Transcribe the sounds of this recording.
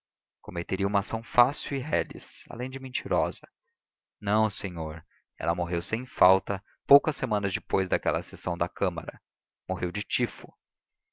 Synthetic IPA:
komet̪eɾiũmasɐ̃w̃fasiwɪɦɛlḭsa̰lẽj̃d͡ʒɪmẽnt͡ʃiɾɔzɐ | nɐ̃w̃sẽɲoɾ | ɛ̰lɐmoɦewsẽj̃fawt̪ɐ | powkɐsemɐ̃nɐzd͡ʒɪpojzd̪ɐkɛlɐsesɐ̃w̃d̪ɐkɐ̃mɐɾɐ | moɦewd͡ʒɪt͡ʃifʊ

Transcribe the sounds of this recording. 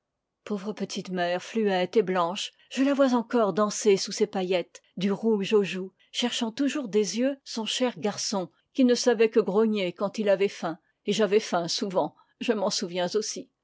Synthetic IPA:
povʁəpət̪ʰit̪mɛʁflyɛt̪eblɑ̃ʃ | ʒ̥əlavwazɑ̃kɔʁd̪ɑ̃sesusepajɛt̪d̪yʁuʒoʒu | ʃɛʁʃɑ̃t̪uʒuʁd̪ezjøsɔ̃ʃɛʁɡaʁsɔ̃ | kʲinəsavɛkəɡʁoɲekɑ̃t̪ilavɛfɛ̃ | eʒavɛfɛ̃suvɑ̃ | ʒəmɑ̃suvjɛ̃zosi

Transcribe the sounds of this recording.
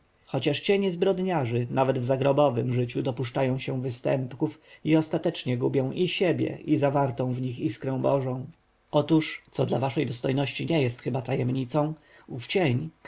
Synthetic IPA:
xɔt͡ɕaʂt͡ɕɛɲɛzbɾɔd̪ɲaʐɘnavɛd̪vzaɡɾɔbɔvɘ̰mʐɘt͡ɕud̪ɔpuʂt͡ʂajɔ̃w̃ɕɛvɘst̪ɛ̰mpkufiɔst̪at̪ɛt͡ʂɲɛɡubʲjɔ̃w̃ʔiɕebʲjɛ̰ʔizavaɾt̪ɔ̃w̃vɲixiskɾɛ̃w̃bɔʐɔ̃w̃ | ɔt̪uʂt̪sɔd̪lavaʂɛjd̪ɔst̪ɔjnɔɕt͡ɕiɲɛjɛst̪xɘbat̪ajɛmɲit̪sɔ̃w̃ | uft͡ɕeɲ

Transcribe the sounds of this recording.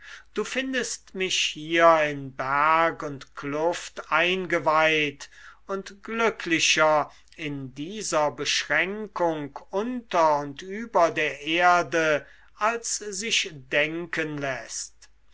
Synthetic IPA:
d̥uːfɪndəstmɪʃhiːɐɪnbæɐkʊntkʰlʊftaɪnɡəvaɪtʊntɡ̥lʏkʰlɪʃɐ | ɪndiːzɐbəʃʁɛŋkʊŋkʊntɐʊntyːbɐdeːɐʔeɐdə | alszɪʃd̥ɛŋkənlɛst

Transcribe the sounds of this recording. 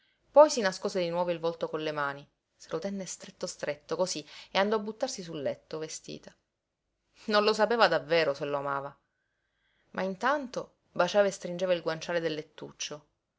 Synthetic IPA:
pɔjsinaskoːzed̪inwɔːvoilvɔlt̪okonlemaːni | selʔot̪ɛnːest̪ɾet̪ːost̪ɾet̪ːokosieand̪ɔabːut̪ːarsis̬ulːɛt̪ːovest̪ḭːt̪a | nonlosapeːvad̪avːeːɾoselːoamaːva | mʔa̰int̪ant̪o | bat͡ʃaːvaest̪ɾind͡ʒeːvailɡwant͡ʃaːled̪elːet̪ːṵt͡ʃːo

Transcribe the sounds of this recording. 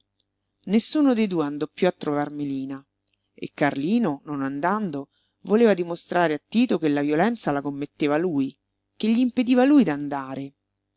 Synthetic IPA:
nesːuːnod̪ejd̪uːeand̪ɔpːjuat̪ːɾovarmiliːna | ḛkːarliːnononand̪and̪o | voleːvad̪imost̪ɾaːɾeat̪ːiːt̪okelːavjolɛnt̪salakomːet̪ːeːvaluːj | keʎːiːmped̪iːvaluːjd̪and̪aːɾe

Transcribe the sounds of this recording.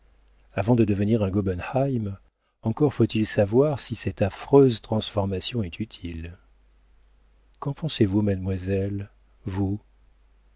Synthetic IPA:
avɑ̃d̪əd̪əvəniʁɛ̃ɡɔbɛnhajm | ɑ̃kɔʁfot̪ilsavwaʁsisɛt̪afχøzt̪χɑ̃sfɔʁmasjɔ̃ɛt̪yt̪ʰil | kɑ̃pɑ̃sevumad̪mwazɛl | vu

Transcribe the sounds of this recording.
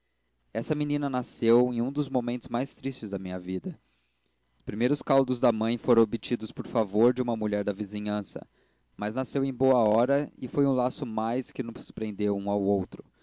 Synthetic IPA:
ɛsɐminĩnɐnasewẽj̃ũd̪ʊzmomẽnt̪ʊzmajst̪ɾist͡ʃɪzd̪ɐmĩɲɐvid̪ɐ | ʊspɾimejɾʊskawd̪ʊzd̪ɐmɐ̃j̃foɾɐ̃w̃obit͡ʃid̪ʊspoɾfavoɾd͡ʒɪũmɐmuʎɛɾd̪ɐviziɲɐ̃sɐ̰ | mɐznasewẽj̃boɐɔɾɐɪfojũlasʊmajskɪnʊ̃su̥spɾẽnd̪ewũawowt̪ɾʊ

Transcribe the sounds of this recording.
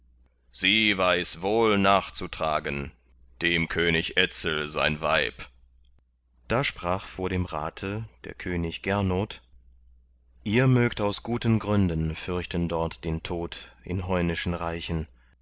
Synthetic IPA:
z̥iːvaɪsvoːlnaːχt͡sutʁ̥a̰ːɡən | d̥eːmkʰøːnɪçʔɛt͡sl̩za̰ɪnva̰ɪp | d̥aːʃpʁ̥aːχfoːɐɾeːmʁa̰ːtʰəd̥eːɐkʰøːnɪçɡ̥ɛɐnoːt | ʔiːɐmøːktaʊsɡ̥uːtənɡʁʏndənfʏɐçtəndɔɐtd̥eːntʰoːtʔɪ̰nɦɔʏnɪʃn̩ʁaɪçən

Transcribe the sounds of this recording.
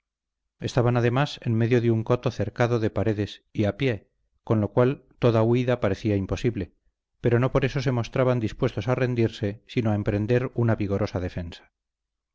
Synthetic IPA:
e̞st̪aβanaðe̞mase̞nme̞ðjoðeuŋko̞t̪o̞θe̞ɾkaðo̞ðe̞paɾe̞ðe̞siapje̞ | ko̞nlo̞kwalt̪o̞ðauiðapaɾe̞θiaimpo̞siβle̞ | pe̞ɾo̞no̞po̞ɾe̞so̞se̞mo̞st̪ɾaβand̪ispwe̞st̪o̞sare̞nd̪iɾse̞sinoaempɾe̞nd̪e̞ɾunaβiɣo̞ɾʔo̞saðe̞fe̞nsḁ

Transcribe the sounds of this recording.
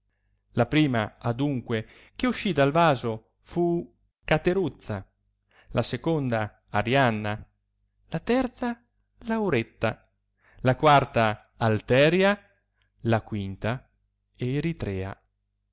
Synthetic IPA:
lapɾiːmaad̪uŋkwe | k̟euʃːid̪alvaːzo | fu | kat̪eɾut̪sːa | lʔasekond̪a | aɾjanːa | lat̪ɛrt̪sa | lawɾet̪ːa | lakwart̪aː | lt̪ɛːɾja | lakwint̪a | eɾit̪ɾɛːa̰

